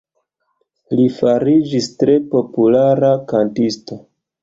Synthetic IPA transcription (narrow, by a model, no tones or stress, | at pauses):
lifaɾid͡ʒistɾe̞po̞pulaɾakantisto̞